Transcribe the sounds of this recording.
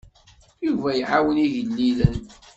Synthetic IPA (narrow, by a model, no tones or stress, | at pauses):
juvæjʕawəniʝəlːilən